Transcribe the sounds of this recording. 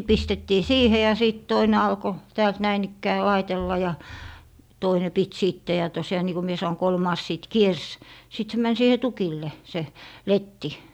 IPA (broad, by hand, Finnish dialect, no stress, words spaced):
pistetːiː siːhe jɑ siˑt toine ɑlko tæːlt næin ikːæː lɑitelːɑ jɑ toine pit siˑtːe jɑ tosjɑː niːko mie sɑno kolmɑːs siˑt kiers sit se mæn siːhe tukilːe se letːi